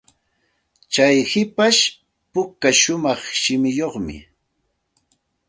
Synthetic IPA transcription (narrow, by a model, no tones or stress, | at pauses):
t͡ʃajhɪpaʃ | pʊkaʃʊmɑχʃɪmɪjoχmɪ̰